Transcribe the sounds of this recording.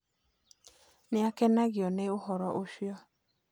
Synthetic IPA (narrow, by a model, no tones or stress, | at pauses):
nɪakɛnaɣɪɔneoɦɔɾɔʔoʃjɔ